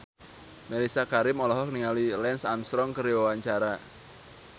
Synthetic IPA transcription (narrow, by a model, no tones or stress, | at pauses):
mɛɾisakaɾɪmɔlɔɦɔkniŋalilɛnsanst̪ɾɔŋkəɾiwawaɲt͡ʃaɾa